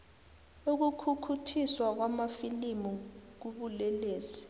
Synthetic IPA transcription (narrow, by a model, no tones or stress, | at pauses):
uk̬ukʰukʰutʰiswak̬wamafilimuk̬uɓulɛleːsi̥